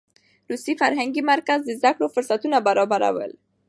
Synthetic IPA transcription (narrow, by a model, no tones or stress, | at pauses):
ɾusifaɾɦaŋɡimaɾkazd̪əzakɽofʊɾsat̪unabaɾɑbaɾa̰wə̰l